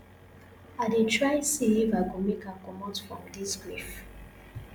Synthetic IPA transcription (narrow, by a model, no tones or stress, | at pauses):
adetʰɹajsiivaɡomekakɔmɔtfɹɔ̰̃mdisɡɹif